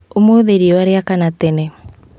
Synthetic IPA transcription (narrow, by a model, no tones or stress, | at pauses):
omoðeɾiɔwaɾeakanat̪ene